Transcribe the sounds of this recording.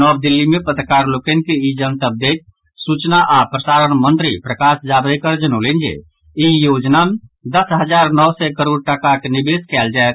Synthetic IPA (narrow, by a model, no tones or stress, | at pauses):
ɔbd̪ilːimepət̪ɾəkaɾlokɛnkeid͡ʒənt̪əb̚d̪et̪̚ | sut͡ʃnaʔapɾəsaɾənmə̃nt̪ɾipɾəkasd͡ʒabɾɛkəɾd͡ʒənolend͡ʒḛ | ijod͡ʒnamed̪əsɦəd͡ʒaɾnɔwsɛkəɾoɖ̚ʈakakenibeskɛld͡ʒaɛt̪̚